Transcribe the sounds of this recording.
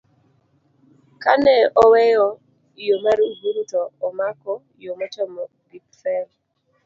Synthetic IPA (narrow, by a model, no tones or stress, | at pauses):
kanɛʔɔwɛjɔ | jomaɾubuɾutɔːmakɔ | jomɔtɔmɔ | bipfɛl